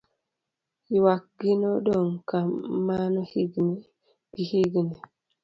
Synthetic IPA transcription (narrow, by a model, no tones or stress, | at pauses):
iwak̚ɡinɔɗɔŋkamanɔhiɡnɛ | ɡ̥ihiɡnɛ